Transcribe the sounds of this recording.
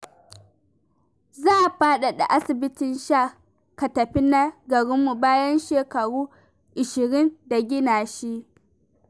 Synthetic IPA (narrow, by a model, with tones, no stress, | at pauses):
zaː˦˨ʔɸaː˦ɗa˨ɗa̰˨ʔa˦sɪ˨bɪ˦tɪ˨nʃa˦˨ | ka˨tɐ˨ɸi˦na˦ɡɐ˨ɽɪ˦mːu˨baː˦jɐ˦nʃeː˨kɐ˨ɽuː˦ | ʔɪ˨ʃɪ˨ɾɪ˦nda˨ɡʲɪ˦naː˨ʃi˦ʔ